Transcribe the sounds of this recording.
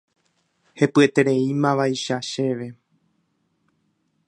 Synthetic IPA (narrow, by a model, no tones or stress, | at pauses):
he̞pɨe̞t̪e̞ɾe̞ĩmãʋajʃaʃe̞ʋe̞